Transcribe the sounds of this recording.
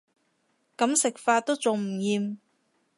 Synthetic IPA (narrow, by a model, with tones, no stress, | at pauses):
kɐ˨˥msɪ˨k̚faː˧t̚t̪o˥wt͡sʊ˨ŋm̩˨˩jiː˧m